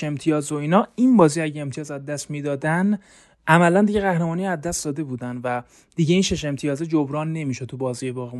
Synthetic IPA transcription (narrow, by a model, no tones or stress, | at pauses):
e̞mt̪ʰijɒːzoiːnɒːinbɒːziæɟeemt̪ʰijɒːzæd̪ːæst̪miːd̪ɒːd̪æn | ʔæmælænd̪iɟeɣæhɾe̞mɒːnijæzːæst̪d̪ɒːd̪e̞buːd̪ænvæ | d̪̥iɟeiːnʃeʃ̬e̞mt̪ʰijɒːzed͡ʒobɾɒːnːe̞miːʃot̪ʰubɒːziːjebɒːɣim